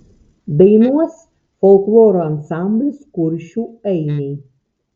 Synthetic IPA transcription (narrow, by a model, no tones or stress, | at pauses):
d̪ɐɪnuɔs | fɔlˠklˠoːɾoːɐnsɑˑmʲbʲlʲɪskʊɾʲʃʲuːɛɪmʲɛɪ